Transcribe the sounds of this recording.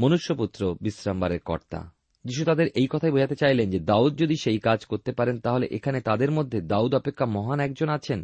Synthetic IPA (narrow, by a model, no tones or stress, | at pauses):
monuʃːoput̪ːɾobisɾambaɾeɾkɔ̰ɾt̪a̰ | d͡ʑiʃ̬ut̪ad̪eɾʔejkɔt̪ʰajbod͡ʑʱat̪et͡ɕajlend͡ʑed̪aud̪̚d͡ʑod̪iʃejkad͡ʑkoɾt̪epaɾent̪aɦoleʔekʰanet̪ad̪eɾmod̪ʱːed̪aud̪ɔpekʰːamɔɦanɛk̚d͡ʑonat͡ɕʰen